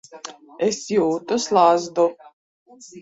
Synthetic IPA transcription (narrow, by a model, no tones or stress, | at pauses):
ɛsjuːt̪ʊslˠazd̪ɔ